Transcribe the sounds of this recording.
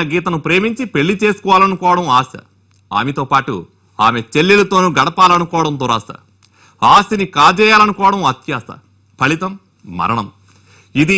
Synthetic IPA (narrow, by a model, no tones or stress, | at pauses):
ɐɡiːt̪ɐnupɾe̞ːmiɲt͡ʃipe̞ɭːit͡ʃe̞ːsu̥kɔːʋaːlɐnukɔːʋɐɽɐmaːsɐ̰ | a̰ːmet̪oːpaːʈṵ | aːme̞t͡ʃe̞lːilɐt̪o̞ːnuɡɐɽɐpaːlɐnukɔːʋɐɽɐnd̪uɾaːsɐ̰ | aːsinikaːd͡ʒɛːjaːlɐnukɔːʋɐɽɐmɐt̪jaːst̪ɐ̰ | pʰɐɭit̪ɐmː | ɐ̰ɾɐɳɐm | id̪i